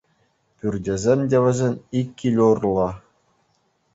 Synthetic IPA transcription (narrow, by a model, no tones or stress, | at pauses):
pʲyrʲdʲezʲemʲdʲeʋʲɘ̆zʲenʲikʲːilʲurlˠɑ